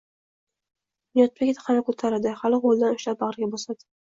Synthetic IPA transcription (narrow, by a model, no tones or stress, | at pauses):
ijɒt̪̚pʰekʲt̪ʰqʰɑnakʰot̪ʰaɾad̪ɪhalɪqolˠd̪anʊʃlap̚bɑʁɾɡʲabɒsad̪ɪ̥